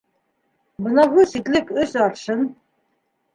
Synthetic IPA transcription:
bɤ̆nɑɣusit̪lɘkɵsɑɾʃɤn

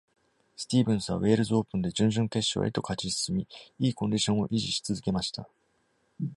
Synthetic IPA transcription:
sɨ̥t̪ʲiːbɯ̟̃ɰ̃sɨβa̰βwe̞ːɾɯ̟zɨo̞ːpɯ̟̃nd̪e̞d͡ʑɨ̃ɲ̟ʑɨ̃nt̪e̞ɕo̰ḛt̪o̞kat͡ɕisɨ̥sɨmʲiiːkoɲʲd̪ʲiɕõ̞ɰ̃o̞̰ʔiʑiɕi̥t͡sɨzɨke̞maɕi̥t̪a̰

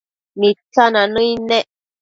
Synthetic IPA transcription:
nitananəinɛ

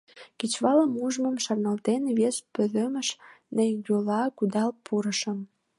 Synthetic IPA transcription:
kit͡ɕβɑləmuʒmə̆mʃɑrnɑlt̪enβespøðømə̆ʃnəjɡolɑkud̪ɑlpʰuɾəʃəm

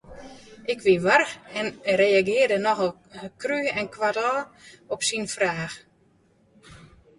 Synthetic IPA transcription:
ʔɪkʰʋiʋarxɛnrejaɡɪːərdənɔɣə | kryɛnkʰʋadɔːɔpsinfraːx

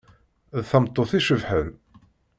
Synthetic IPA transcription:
ðθəmt̪ˤːoθiʃəvħən

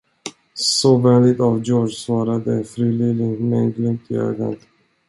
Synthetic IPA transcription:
sɔvɛnlɪt̪avd͡ʒɔsvɑːɾad̪əɛnfɾyːlelɪŋmɛnɡlʏmt̪ʰɪø̰ːɡa̰n

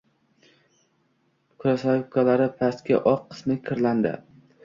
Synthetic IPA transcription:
kʰʊɾasakʲʰalaɾɪpʰast̪kʲa̰ʔɒqʰːɨ̥smɪkʲʰɪɾland̪ɪ̰

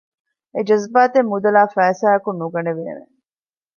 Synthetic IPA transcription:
ed͡ʒɐzbaːt̪emːud̪ɐlaːfæːsæːɐkunːuɡɐneʋḛːnḛ

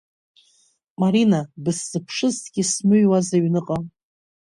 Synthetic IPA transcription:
maɾinabɨsːɨpʰʂɨztʰɡʲismɨɥwazaɥnɨqʼa

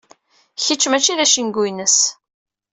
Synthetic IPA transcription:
çət͡ʃːmæt͡ʃːiðæʃinɡujnəs

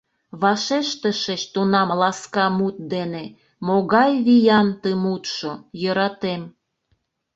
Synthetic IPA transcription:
βɑʃeʃt̪əʃəɕt̪unɑmlɑskɑmut̪̚d̪ene | moɣɑjβijɑnt̪əmut̪ʃojəɾɑt̪em

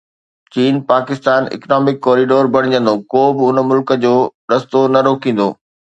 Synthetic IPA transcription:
t͡ɕiːnpaːkɪst̪aːnɪ̰knɔːmɪkːɔːɾiɖoːɾbʱɐɽɪ̃d͡ʑə̃nd̪okoːbɪʊnmʊlkə̆d͡ʑoːɗɐst̪onɐɾoːkĩːn̆d̪oː

